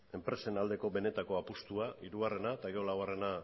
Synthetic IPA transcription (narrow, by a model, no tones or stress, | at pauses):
e̞mpɾe̞se̞nald̪e̞ko̞be̞ne̞t̪ako̞apust̪uaiɾuɣare̞nat̪aɣe̞o̞laware̞na